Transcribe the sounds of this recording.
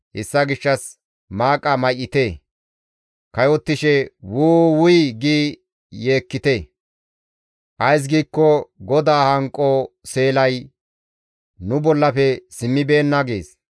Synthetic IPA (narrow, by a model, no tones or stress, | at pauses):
hɪsːɐɡɪʃːɐs | maːkʼɐmɐjʔːɪt̪eː | kɐjɔt̪ːɪʃɛwuːwʊjɡiː | jeːkːɪt̪e | ʔɐjs̬ɡiːkːɔɡɔd̪aːhɐŋkʼːɔse̞ːlɐj | nʊbɔlːɐpɛsɪmːɪbe̞ːnːɐɡe̞̰ːs